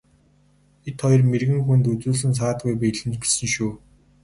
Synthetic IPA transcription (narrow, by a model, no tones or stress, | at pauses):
et̪χɔj̆rmerɣɘ̆ŋxunt̪ut͡suːɮɘ̆ns̬aːt̪ɡujpiɮɘ̆mt͡ɕpe̥sɘ̆nʃuː